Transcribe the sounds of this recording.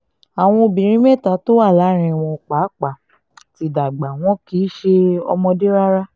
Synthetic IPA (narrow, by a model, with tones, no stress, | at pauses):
a˨w̃ɔ̃˧o˧bĩ˨ɾ̃ĩ˦mɛ̃˦˨ta˨˦to˦wa˦˨la˨˦ɾ̃ĩ˧˨w̃ɔ̃˧˨k͡pa˨˦k͡pa˨ | ti˨˦da˨ɡ͡ba˨w̃ɔ̃˨˦ki˨˦ʃe˧ɔ̰˧mɔ̃˧de˦ɾa˦ɾa˦